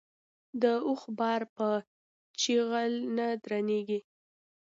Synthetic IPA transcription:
d̪əuxbɑɾpə | t͡ʃiɣalnad̪ɾaneɡi

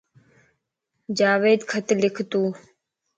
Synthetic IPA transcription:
d͡ʒaːʋeːd̪kʰət̪lɪkʰt̪uː

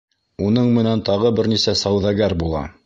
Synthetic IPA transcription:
unɤɴmɘ̆nænt̪ɑʁɤbɘɾnisæsæwðæɡæɾbulˠɑ̰

